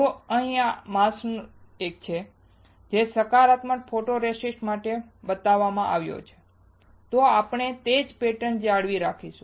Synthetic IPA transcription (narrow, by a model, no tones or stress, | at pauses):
toəɦĩjamasnek̚t͡ʃʰe | d͡ʒesəkaɾat̪məʈfʰoʈoɾesisʈmaʈe | bət̪aʋːamãʔa̰ʋjo̰t͡ʃʰe̥ | t̪oapɳet̪ed͡ʒpeʈənd͡ʒaɽʋiɾakʰiʃũ̥